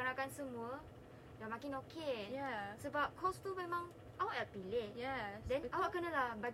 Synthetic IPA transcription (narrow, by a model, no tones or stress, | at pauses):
anakansəmuə | damãkɪnokʰejasəbap̚kʰɔst̪umẽmãŋ | ʔawaʔlapilehjɛdɛ̃nawaʔkənəlahba